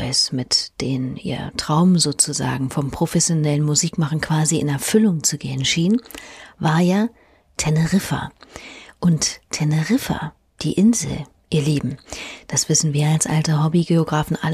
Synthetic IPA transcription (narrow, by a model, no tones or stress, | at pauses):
ɔsmɪtd̥eːnʔḭːɐtʁ̥aʊməzoːt͡suza̰ːɡŋ̩fɔmpʁ̥ofɛsjonɛlənmuziːkmaχn̩kʰv̥aːziɪ̰nɛɐfʏlʊŋt͡suɡeːənʃiːnvaːɐjaː | tʰɛnəʁɪfɐ̰ | ʔʊnttʰɛnəʁɪfɐ̰ | d̥ḭːʔɪnzl̩ | ʔiːɐleːbm̩d̥asv̥ɪsn̩viːɐalsʔa̰ltɐɦɔbiɡeoɡʁaːfn̩ʔa̰l